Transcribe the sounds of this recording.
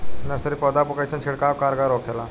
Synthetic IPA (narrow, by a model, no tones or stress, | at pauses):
nəsəɾipɔd̪apukajt͡sənt͡ʃʰeɽkakaɾɡaɾɔkʰela